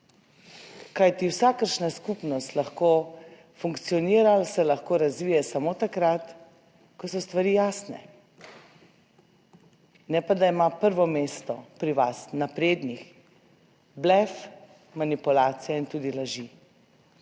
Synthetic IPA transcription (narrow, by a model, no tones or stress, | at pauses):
kajt̪iwsakəɾʃnaskupnɔst̪laxkoː | fuŋkt̪sijɔniːɾalsɛlaxkoːɾazʋiːjɛsamot̪akɾat̪ | kɔsɔst̪ʋaɾiːjaːsnɛ̰ | nɛpad̪aimapəɾʋɔmeːst̪ɔpɾiʋasnapɾeːd̪nix | blɛf | manipulaːt̪sijaint̪uːd̪ilaʒi